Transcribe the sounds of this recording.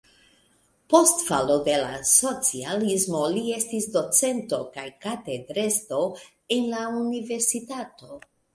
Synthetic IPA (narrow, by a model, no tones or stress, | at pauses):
po̞stfalo̞de̞laso̞t͡sialismo̞lie̞stisdo̞t͡se̞nto̞kajkate̞dɾe̞sto̞ | e̞nlaunive̞ɾsitato̞